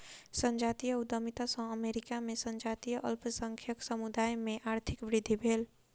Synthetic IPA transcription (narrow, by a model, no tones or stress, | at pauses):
sənd͡ʒat̪ijəud̪əmit̪asə̃ɦəmeɾikamesə̃nd͡ʒat̪ijəʔəlpsəŋkʰjəksəmud̪ajmeʔaɾt̪ʰikbɾid̪ʱːibʱel